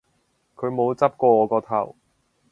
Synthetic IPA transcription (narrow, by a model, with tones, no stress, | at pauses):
kʰɵ˨˧ɥmo˨˧wt͡sɐ˥p̚kɔː˧ŋɔː˨˧kɔː˧t̪ʰɐ̰˨˩w